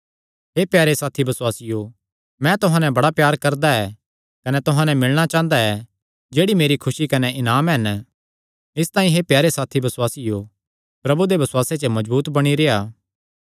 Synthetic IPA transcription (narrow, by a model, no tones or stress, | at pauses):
ɦeːpjaːɾesaːt̪ʰibɐswaːsɪjo | mɛ̃ːt̪ʊɦãːnɛ̃bɐɽapjaːɾkɐɾd̪aɛ | kɐnɛt̪ʊɦãːnɛmɪɭɽ̃at͡ʃãːnd̪aɛ | d͡ʒeːɽimeːɾikʰʊsikɐnɛʔɪnaːmɦɛn | ɪst̪aːĩɦepjaːɾesaːt̪ʰibɐsʊwaːsɪjo | pɾɐbud̪ebɐswaːset͡ʃəmɐd͡ʒbuːt̪bɐɽ̃iɾeːaː